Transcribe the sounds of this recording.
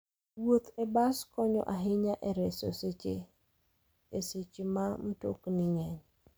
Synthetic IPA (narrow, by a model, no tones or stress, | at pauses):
wot̪ɛbaskɔɲɔ̰ʔaɦɪɲaʔɛɾɛsoset͡ʃḛ | eset͡ʃemamoto̰kniŋɛɲ